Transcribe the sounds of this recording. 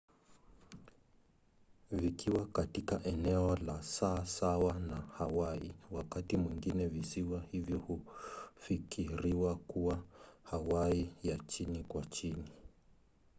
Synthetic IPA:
vikiwakatikaʔɛnɛɔlasaːsawanahawaḭwakatimwiŋɡinɛvisiwahivjɔhufikʰiɾiwakuwahawaijat͡ʃinikwat͡ʃini

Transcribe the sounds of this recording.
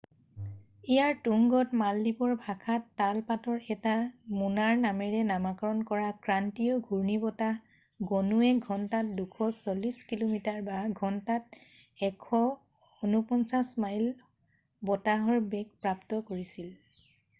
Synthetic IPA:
ijaɹtuŋɡɔtmaldipɔɹbʱakʰatːalpatɔɹɛtamunaɹnamɛɹɛnamakɔɹɔnkɔɹakɹantijɔɡʱuɹnibɔta | ɡonuɛɡʱɔntat̚dukʰɔsoliskilomitaɹbaɡʱɔntat̚ | ɛkʰːɔ | onupɔnsasmajl | bɔtaɦɔɹbɛɡ̚pɹaptɔkoɹisil

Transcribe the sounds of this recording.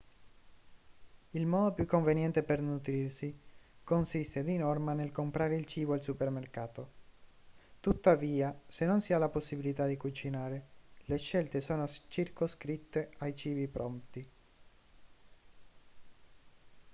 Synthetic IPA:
ilmɔːd̪opjukːoɱvenjɛnt̪epernut̪ɾirsikonsist̪ed̪inɔrmanelkompɾaːɾeilt͡ʃiːboalsupermerkaːt̪o | t̪ut̪ːaviːasenːonsialːaposːibilit̪ad̪ikut͡ʃinaːɾeleʃɛlt̪esoːnost͡ʃirkoskɾit̪ːeajt͡ʃiːbipɾɔnt̪i

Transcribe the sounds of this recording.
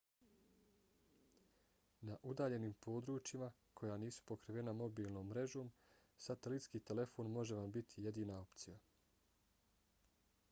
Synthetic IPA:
naʔud̪aːʎe̞niːmpo̞ːd̪ɾuːt͡ʃima | kʰo̞jaːniːsu̥po̞kɾiʋe̞namo̞biːlˠno̞ːmːɾe̞ʒo̞ːm | sat̪elit̪skiːt̪e̞le̞fo̞ːnmo̞ʒe̞ʋambit̪ʰije̞d̪iːnao̞pt̪sija

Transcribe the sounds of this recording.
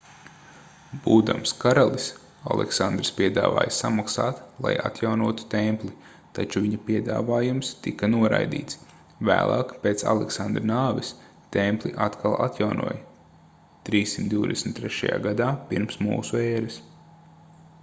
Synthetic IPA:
b̥uːd̪amskaɾalˠis | a̰lˠʔɛ̰ksand̪ɾspiɛd̪a̰ːva̰ːjsamaksaːt̪lˠa̰ja̰t̪jawnuɔt̪u̥t̪ɛmplˠi | t̪at͡ʃuviɲɐpiɛd̪a̰ːvaːjumst̪ikɐnuɔɾa̰jd̪ḭːt̪s | væ̰ːlˠʔa̰ːkpeːt̪sa̰lˠɛksand̪ɾnaːvis | t̪ɛmplˠiʔat̪kʰalˠʔa̰t̪jawnṵɔ̰j | t̪ɾiːssimt̪d̪ʲiʊd̪ɛsm̩t̪ːɾɛʃa̰ja̰ːɡad̪aːpiɾmsmṵːsuɛːɾɪs

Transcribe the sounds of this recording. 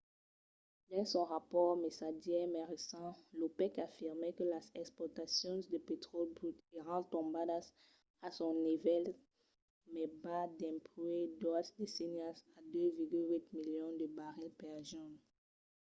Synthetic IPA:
d̪ɑ̃sɔ̃ʁapɔʁmesaʒjɛmɛʁesɑ̃lopɛkafiʁmɛkəlazɛkspwɔt̪asjɔ̃d̪əpet̪χɔlbʁyt̪eʁɑ̃t̪ɔ̃bad̪as | asɔ̃nivɛl | mɛbad̪ɛ̃plued̪wavd̪esiniasad̪øviʁɡylwit̪miljɔ̃d̪əbaʁɛpɛʁʒɔn

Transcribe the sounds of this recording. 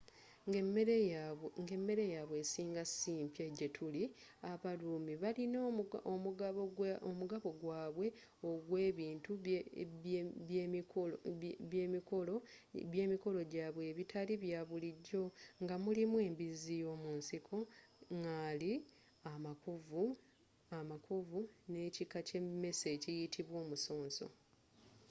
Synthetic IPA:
m | ŋɡe̞mːe̞ɾe̞jaːβwe̞ːsiːŋɡasiːmpjeɟetʰuli | aβaluːmiβalino | omuɡaβo̞ɡwaːβwe̞ | oɡwe̞ːβiːntu | oβje̞ːmiko̞lo | βje̞ːmiko̞lo̞ɟaːβwe̞ːβitʰaliβjaːβuliɟːo̞ŋɡamulimwe̞ːmbizijo̞ːmunsikʰo̞ŋɡali | amakuvu | amakʰuvune̞cikaceme̞se̞cijitʰiβwo̞ːmuso̞ːnso̞̰

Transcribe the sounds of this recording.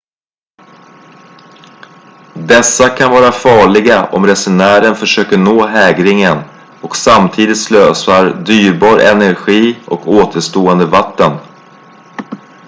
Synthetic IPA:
d̪ɛsːakʰanvɑːɾafɑːɭɪɡaʔɔ̰mɾɛsʊnæːɾənfœʂøːkəɳoːɦɛːɡɾɪŋən | ɔksamt̪ʰiːd̪ɪt̪sløːsaɾd̪yːɾbɑːɾʔɛ̰næɾɧiːɔkoːt̪ʰəʂt̪oːɛnd̪əvat̪ːən

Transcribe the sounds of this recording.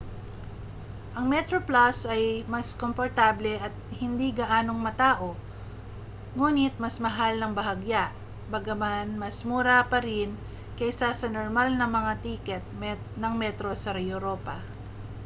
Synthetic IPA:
ʔɐŋmɛt̪ɾoplasɐjmɐskompoɾt̪aːblɛʔɐt̪̚hɪnd̪iɡɐʔaːno̞ŋmɐt̪aːʔo̞ | ŋuːnɪt̪̚mɐsmɐɦalnɐŋbɐɦɐɡjaʔ | bɐɡɐmanmɐsmuːɾapɐɾɪn | kɐʔɪsasɐnoɾmalnɐmɐŋat̪ikɛt̪̚mɛ | nɐŋmɛt̪ɾo̞sɐɾɐjoɾoːpɐ

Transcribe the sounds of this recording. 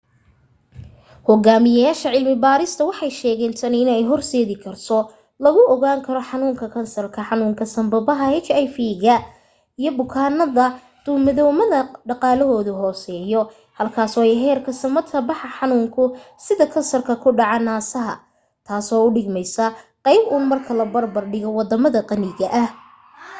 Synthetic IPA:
hɔɣaːmɪjaːʃɐʕɪlmɪbaːɾɪst̪ʰɐwɑħɑjʃɛːɣɛnt̪ʰɐnɪnɛjɦɔrsɛːðɪkʰɐrt̪ʰɔ | lɐɣʊʔɔɣaːŋkʰɐɾɔħɑnuːŋkʰɐkʰɐnsɐrkʰɐħɑnuːŋkʰɐsɐmbɐbɐɦɐɛt͡ʃɛjfiɣɐ | ijɔbʊkʰaːnɐðɐ | d̪̥ʊmɐðɔwmɐðɐɖɑqɑːlɔɦɔːðʊɦɔːsɛːjɔ | hɐlkʰaːsɔːɛjɦɛːrkʰɐsɐmɐt̪kʰɐbɑħɑħɑnuːŋkʰʊsɪðɐkʰɐnsɐrkʰɐkʰʊɖɑʕanaːsɐɦɐ̰ | t̪ʰaːsɔːʊɖɪɡmɛjsɐqɑjbʊːnmɐrkʰɐlɐbɐrbɐrɖɪɣɔwɑd̪ɐmɐðɐqɑnɪɣɐʔɐh

